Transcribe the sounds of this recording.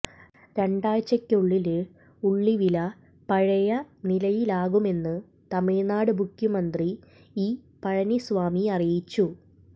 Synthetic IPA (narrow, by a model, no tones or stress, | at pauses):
ɾe̞ɳɖaːjt͡ɕːɐkʲːuɭːil | uɭːiʋilɐ | pɐɻɐjɐnilɐjilaːɣume̞nːɨ | t̪ɐmiɻnaːɽɨbʱukʲːumɐnd̪ri | iː | pɐɻɐnisʋaːmiɐrijit͡ɕːu